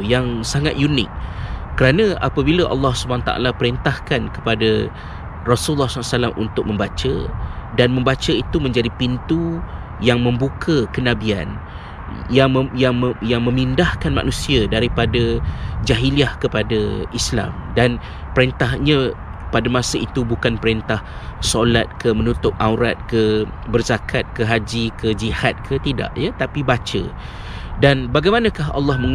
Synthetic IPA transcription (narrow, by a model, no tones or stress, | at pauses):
jaŋsaŋa̰t̪̚junɪ̰k̚ːəɾanãʔa̰pəbiləʔɑ̰lːɑhsubanat̪a̰a̰lapəɾint̪ahkankə̥pada | rɔsulːɔhssalamʔṵnt̪ʊk̚mə̃mbat͡ʃə̰danmə̃mbat͡ʃəit̪umə̃ɲd͡ʒadipint̪u | jaŋmə̃mbukʰəkənabia̰n | jajaŋjaŋmə̃mindahkanma̰nũsiadaɾipadad͡ʒaɦiliahkəpadaʔisla̰mdan | pəɾent̪aɦɲã | padamasaʔit̪ubukanpəɾent̪ah | solat̪̚kəmənut̪ʊp̚ʔawɾat̪̚kəbərzakʰat̪̚kəɦad͡ʒikəd͡ʒihat̪̚kʰət̪ida̰ʔjət̪apibat͡ʃə̰ | danbaɡajmanakaɦɑ̰lːɑhməŋ